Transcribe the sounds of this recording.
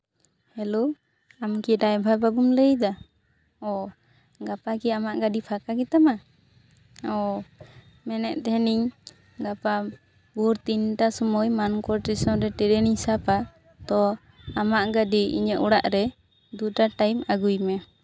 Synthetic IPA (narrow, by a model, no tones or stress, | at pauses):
hɛlo | amkiɖajbʱababumləjd̪a | ɔ | ɡapakiamaʔɡaɖipʰakakit̪ama | ɔ | mɛnɛʔt̪ɛɛniɲ | ɡapa | buɾt̪inʈasɔmɔjmankɔɾʈisɔɾɛʈɛɾɛnisapa | t̪ɔ | amaʔɡaɖiḭɲəʔuɽaʔɾɛ | d̪uʈaʈajmaɡujmɛ